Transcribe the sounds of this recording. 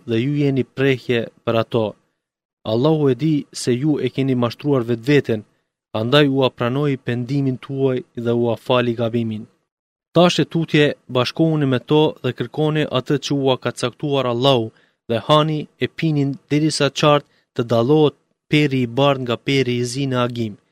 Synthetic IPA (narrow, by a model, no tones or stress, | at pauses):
ðɛjujɛnipɾɛhjɛpəɾat̪ɔ | a̰lˠːahuɛd̪isɛjuɛkɛnimaʃt̪ɾuaɾvɛt̪vɛt̪ɛn | and̪ajuapɾanɔjpɛnd̪imint̪ʰuajðɛuafaliɡabimin | t̪aʃɛt̪ut̪jɛbaʃkɔunimɛt̪ɔðɛkəɾkɔniʔat̪ət͡ɕəuakat͡sakt̪uaɾalˠːahu | ðɛhaniɛpinind̪̥ɛɾisat͡ʃaɾt̪ːəd̪alɔɦɛt̪̚ | pɛɾiːbaɾŋɡapɛɾizinɛaɡim